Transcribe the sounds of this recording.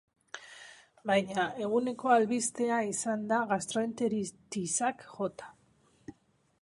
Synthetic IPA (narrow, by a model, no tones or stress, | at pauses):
bajɲae̞ɣ̞une̞ko̞alβist̪e̞aisand̪aɣast̪ɾo̞ent̪eɾit̪isakʝo̞t̪ḁ